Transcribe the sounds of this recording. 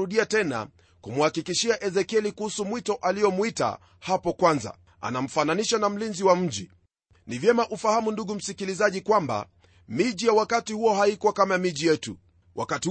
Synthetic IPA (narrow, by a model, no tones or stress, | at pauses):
uɗiatɛna̰ | kumuhakikiʃiaʔɛzɛkɛlikuhusumwitɔʔalijɔmwita̰ | hapɔkwanza̰ | a̰nam̩fananiʃanam̩linziwam̩ʄi | nivjɛmaʔufahamunduɠum̩sikilizaʄikwamba̰ | miʄijawakatihuɔɦaikwakamamiʄijɛtṵ | wʔa̰kati